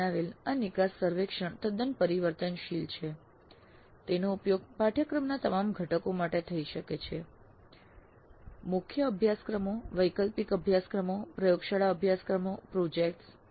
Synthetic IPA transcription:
aʋelanikasːəɾʋekʃəɳt̪əd̪ənpəɾiʋəɾt̪ənʃilt͡ʃʰe | t̪enoupjoɡ̚paʈʰjəkɾəmnat̪əmamɡʱəʈəkomaʈet̪ʰəiʃəket͡ʃʰe | mukʰjəəbʱjaskɾəmoʋəjkəlpikəbʱjaskɾəmopɾəjoɡʃaɭaəbʱjaskɾəmopɾod͡ʒek̚ʈs

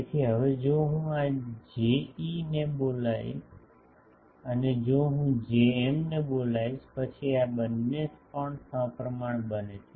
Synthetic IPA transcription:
ek̪ʰiɦəʋed͡ʒoɦũad͡ʒeinebolaḭ | əned͡ʒoɦũd͡ʒeemnebolaiʃpət͡ʃʰiabənːespəɳsə̃pɾəmaɳ̃bənet͡ʃʰe̥

